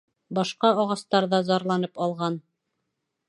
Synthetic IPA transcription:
bɑʃqɑɑʁɑst̪ɑɾðɑzɑɾlˠɑnɤpɑlˠʁɑn

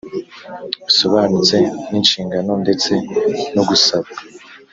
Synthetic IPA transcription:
isoβanut͡se̞niːnt͡ʃiːŋɡano̞nde̞t͡se̞noɡusaβɡa

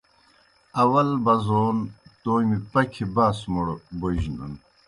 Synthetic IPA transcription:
ɐwɐlbɐzoːnt̪oːjmipɐkʰibaːsmuɽboʑnṵn

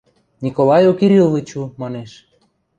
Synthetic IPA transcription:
nʲikolɑjokiɾʲilvit͡ɕumɑneʃ

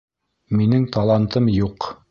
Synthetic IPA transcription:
minɘŋt̪ɑlˠɑnt̪ɤmjuq

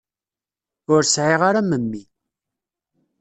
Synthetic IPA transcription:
ʊɾsʕeʁaɾaməmːi

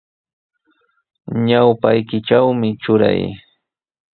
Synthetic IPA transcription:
ɲawpajkɪʈ͡ʂawmɪʈ͡ʂʊɾa̰j

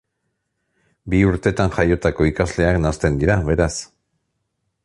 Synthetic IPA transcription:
biuɾt̪e̞t̪anxajo̞t̪ako̞ikazle̞aknast̪e̞nd̪iɾaβe̞ɾas

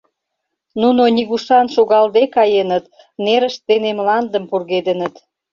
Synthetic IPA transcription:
nunoniɣuʃɑnʃoɣɑld̪ekɑjenət̪ | neɾəʃt̪enemlɑnd̪əmpurɣed̪ənət̪

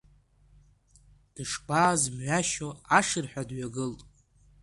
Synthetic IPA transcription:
d̥ɨʂbaːzmʕʷaʃoaʂɨrħʷᶣadɥaɡɨltʼ

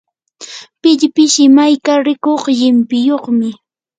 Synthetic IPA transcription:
pɪʎpɪʃɪmajkaɾɪkoχʎɪmpɪjoχmɪ

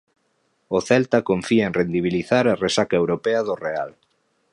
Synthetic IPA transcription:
oθɛlt̪akoɱfiaẽnrend̪iβ̞iliθaɾaresakaewɾopeaðoreal

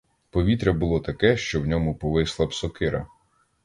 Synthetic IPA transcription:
pɔʋʲit̪ɾʲɐbʊlˠɔt̪ɐkɛʃt͡ʃɔwnʲɔmʊpɔʋɪslˠɐpsɔkɪɾɐ̰

